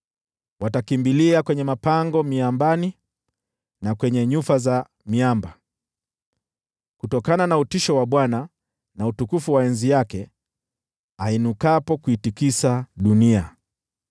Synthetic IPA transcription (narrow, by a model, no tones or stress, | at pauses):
watakimbiliakwɛɲɛmapaŋɡɔmiambani | nakwɛɲɛɲufaza | miamba | kutɔkananautiʃɔwaɓwana | nautukufuwaɛnzijakɛ | ainukapɔkuitikisaɗunia